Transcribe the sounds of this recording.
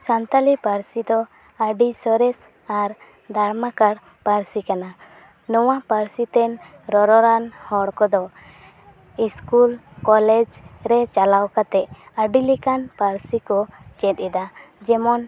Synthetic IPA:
sant̪alipaɾsid̪ɔ | aɖisɔɾɛs | aɾ | d̪ʱaɽmakaɽ | paɾsikana | nɔwapaɾsit̪ɛn | ɾɔɾɔɾanhɔɽkɔd̪ɔ | iskulkɔlɛd͡ʒɾɛt͡ʃalawkat̪ɛʔəɖilikanpaɾsikɔt͡ʃɛt̪̚ɛd̪a | d͡ʒɛmɔn

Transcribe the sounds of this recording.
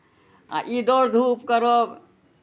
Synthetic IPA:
a̰ʔid̪oɾd̪ʱupkəɾob

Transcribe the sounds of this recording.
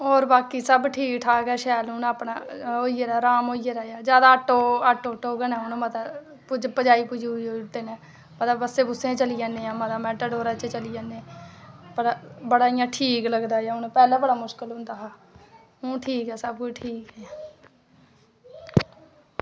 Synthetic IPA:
oːɾbaːkiːsəbʈʰiːkʈʰaːkɛːʃɛːlʊnaːpɳa̰ːoːieːɾaːɾaːmoːiːeːɾaːjaːd͡ʒjaːd̪aːəʈːoːəʈːoːʈoːɡənãːʊnmət̪a | pʊd͡ʒpəd͡ʒaːiːpʊd͡ʒiʊiʈ̪ːeːnẽː | mət̪əbbəseːbʊsẽːt͡ʃəlijaːnːeːãːməd̪aːmɛːʈəɖoːɾat͡ʃet͡ʃəlijaːnẽːpəɽbəɽaːɪjãːʈʰiːkləɡd̪aːejaːʊnpɛːlẽːbəɽaːmʊʃkəlʊ̃nd̪aːɦaː | ʊ̃ːʈʰiːkɛːsəb̚kʊd͡ʒʈʰiːkɦɛː

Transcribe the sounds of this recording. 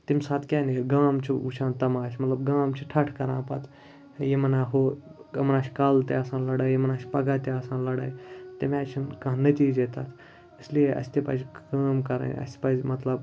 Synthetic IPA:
t̪imʲsaːt̪ʰkʲaːneɡaːmt͡ʃʰiuʃʰãːnt̪ɐmaːt͡ʃʲmɐt̪lɐbɡaːmt͡ʃʰiʈʰɐʈʰkɐɾã̰ːpɐ̰t̪ʰ | jemɐnaːɦoːmɐnaːt͡ʃʰkalt̪ḛɐːsãːnlɐɽajemɐnaːt͡ʃʰʲpɐɡaːt̪eaːsãːnlɐɽa̰ːjt̪emãːt͡ʃʰinkɐːnɐt͡ʃiːzet̪at̪ʰ | islieʔɐ̰sʲt̪ipɐ̰zʲkaːmkɐɾə̰nɐ̰sʲpɐːzʲmɐt̪lɐb

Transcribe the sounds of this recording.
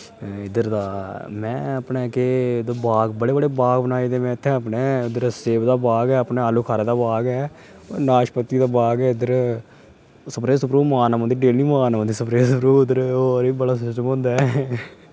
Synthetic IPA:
ɪd̪əɾd̪aːmɛ̃ːəpneːkeːd̪əbaːɡbəɽeːbəɽeːbaːɡbənaːid̪eːmɛ̃ːɪt̪ʰːɛ̃ːəpneːɪd̪əɾseːbd̪aːbaːɡɛːəpneːaːluːkʰaːɾeːd̪aːbaːɡɛː | naːʃpət̪ːiːd̪aːbaːɡɛːɪd̪əɾ | səpɾeːsəpɾuːmaːnamənd̪iːɖeːlnĩːmaːnamənd̪iːsəpɾeːsəpɾuːɪd̪əɾoːɾiːbəɽaːsʊt͡ʃəmɦnd̪aːɛ

